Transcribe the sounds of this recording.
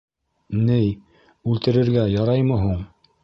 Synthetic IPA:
nɘj | ʉlt̪ɘ̆ɾɘ̆ɾɡæjɑɾɑjmɤ̆ɦuɴ

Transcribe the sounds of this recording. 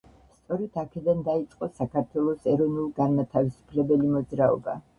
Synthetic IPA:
st̪sʼɔɾɛt̪ʰakʰɛd̪and̪ait̪sʼqʼɔsakʰaɾt̪ʰwɛlˠɔsɛɾɔnulˠɡanmat̪ʰavisu̥pʰlɛbɛlimɔd̪zɾaɔ̰ba

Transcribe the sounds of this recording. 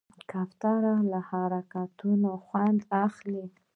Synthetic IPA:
kaft̪ɑɾalahaɾakat̪unoxwand̪axli

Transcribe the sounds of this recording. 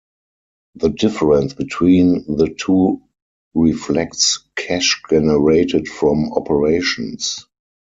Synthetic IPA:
ðədɪfəɹə̃nsb̥itʰwĩːnðətʰuː | ɹiflɛktskʰæʃd͡ʒɛnəɹeɪtɪtfɹɔ̃mɔpʰəɹeɪʃɔ̰̃ns

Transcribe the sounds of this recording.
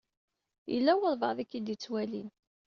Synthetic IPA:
jə̰lːæwəðˤvə̰ʁðikːid̪it͡sːwælin

